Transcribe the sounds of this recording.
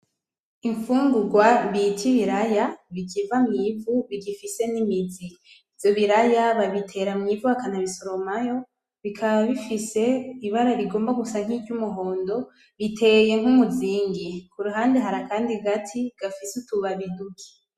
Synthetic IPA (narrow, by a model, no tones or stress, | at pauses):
iɱfuːŋɡuɾɡwabitiβiɾajaβikivamŋiːvuβiɡifise̞nimizi | ivjo̞βiɾajaβaβitʰe̞ːɾamŋiːvuakanaβisoɾo̞majo̞ | βikʰaβaβifise̞iβaɾaβiɡo̞ːmbaɡusaŋ̥id͡ʒɟumuɦo̞ːndo̞ | βitʰe̞je̞ŋ̥umuziːŋɡikuɾuɦaːndeɦaɾakaːndiɡatʰiɡ̥afisutuβaβidukʰi̥